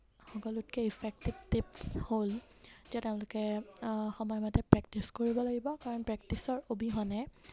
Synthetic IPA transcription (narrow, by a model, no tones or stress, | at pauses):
xɔkɔlut̚kɛipʰɛk̚tibtipsholz̥ɛteʊ̃lʊkɛxɔmɔjmatɛpɹɛk̚tiskoɹibɔlaɡibɔkaɹɔnpɹɛk̚tisɔɹobiɦɔnɛ